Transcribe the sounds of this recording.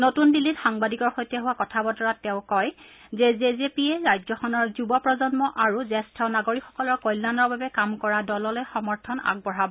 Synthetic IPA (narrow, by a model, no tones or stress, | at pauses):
notunbilːitxaŋbadikɔɹxojtɛɦuwakɔtʰabɔtɔɹatːɛʊ̃kɔjzezezepieɹajzɔxɔnɔɹzubɔpɹɔzɔnmɔʔaɹuzɛstʰɔnaɡoɹikxɔ̥kɔlɔɹkojlːanɔɹbabɛkamkɔɹadɔlɔlojxɔmɔɹtʰɔna̰ɡ̚bɔɹabɔ